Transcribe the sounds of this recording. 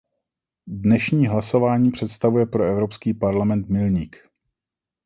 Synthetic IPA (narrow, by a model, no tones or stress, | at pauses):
dnɛʃɲiːɦlaso̞vaːɲiːpr̝̥ɛt̪st̪avujɛpɾoɛvɾo̞pskiːpaɾlamɛnt̪mɪlɲik